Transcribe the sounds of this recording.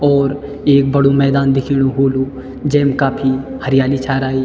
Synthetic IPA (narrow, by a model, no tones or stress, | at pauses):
ɔːɾ | eːk̚bɐɽomɛːd̪aːnd̪ɪkʰiːɽ̃oɦoːlu | d͡ʒɛːmkaːpʰihɐɾɪjaːlit͡ʃʰaːɾaːiː